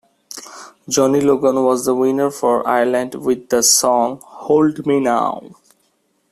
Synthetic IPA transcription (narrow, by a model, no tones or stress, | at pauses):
d͡ʒɔniloɡə̃nwɔzd̪əwɪ̃nəɾfɔɹa̰ɪələ̃ɳɖwɪd̪ːəsɔ̃ŋholɖmina̰ʊ